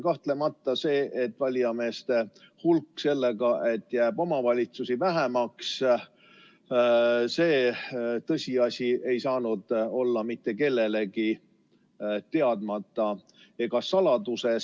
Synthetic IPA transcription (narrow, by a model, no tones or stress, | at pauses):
kɑht̪le̞mɑt̪ːɑse̞ːʔet̪ːˑvɑlʲjɑme̞ːst̪e̞ | hulkːse̞lːe̞ɡɑʔe̞t̪ːˑjæːb̥o̞mɑvɑlʲit̪susivæɦemɑks | se̞ːt̪ɤ̞sʲiɑsʲie̞jsɑːnud̪̥o̞lːɑmit̪ːˑe̞ke̞lːe̞le̞ɡi | t̪e̞ɑd̪̥mɑt̪ːˑɑ | eɡɑsɑlɑd̪̥use̞